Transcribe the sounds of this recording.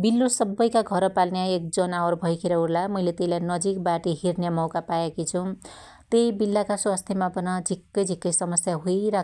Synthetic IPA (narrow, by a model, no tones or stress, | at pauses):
bilːosʌbːʌjkaɡʱʌɾʌpalnjaek̚d͡zʌnaoɾbʱʌjkʰeɾʌurlamʌjlet̪ejlajnʌd͡zik̚baʈiɦirnjamʌwkapajekit͡sʰu | t̪ejbilːakaswast̪ʰjemapʌnʌd͡zʱikːʌjd͡zʱikːʌjsʌmʌsjaɦujiɾa